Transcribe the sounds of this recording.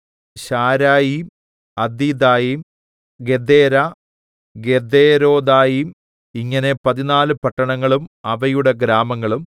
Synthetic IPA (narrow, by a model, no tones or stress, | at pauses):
ɕaːɾaːjim | ɐd̪iːd̪aːjim | ɡe̞d̪eːɾa | ɡed̪eːɾo̞ːd̪aːjim | iŋːɐne̞pɐðinaːlɨpɐʈːɐɳɐŋːɐɭumɐʋɐjuɽeɡɾaːmɐŋːɐɭum